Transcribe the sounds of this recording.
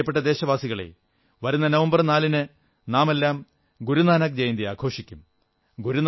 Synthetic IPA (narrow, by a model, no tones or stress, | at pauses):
ɐpːe̞ʈ̬ːɐd̪e̞ːɕɐʋaːsiɣɐɭḛ | ʋɐɾunːɐnɐʋɐmbɐrnaːlinɨ | naːme̞lːaːm | ɡuɾunaːnɐk̚d͡ʑejnd̪iaːkʰo̞ːʂikʲːum | ɡuɾun